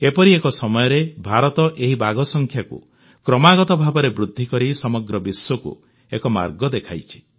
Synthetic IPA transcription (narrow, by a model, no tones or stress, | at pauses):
epɔɾiekɔsɔmɔjɔɾebʱaɾɔt̪ɔʔeɦibaɡɔsɔŋkʰjakṵ | kɾɔmaɡɔt̪ɔbʱabɔɾebɾud̪ʱːikɔɾisɔmɔɡɾɔbiswɔkṵ | ḛkɔma̰ɾɡɔd̪ekʰajt͡ʃʰi̥